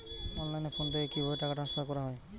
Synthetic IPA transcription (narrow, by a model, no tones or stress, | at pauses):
ɔnlajnepʰond̪ekibʱɔeʈakaʈɾanspʰaɾkɔɾaɦɔj